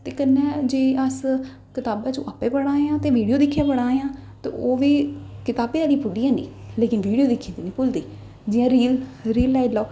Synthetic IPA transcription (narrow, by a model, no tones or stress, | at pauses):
t̪eːkənːɛ̃ːd͡ʒeːəs | kɪt̪aːbãːt͡ʃõ̰ːʔaːpẽːpəɽãːjãːt̪eːʋiːɖijoːd̪ɪkʰːjãːpəɽãːjãːt̪ḛːʔoːʋiːkɪt̪aːbeːd̪aːlipʰʊliːãːnḭːleːkɪnʋiːɖijoːd̪ɪkʰːĩnd̪iːnĩːpʊld̪iː | d͡ʒɪjãːɾiːlɾiːlːaːilaː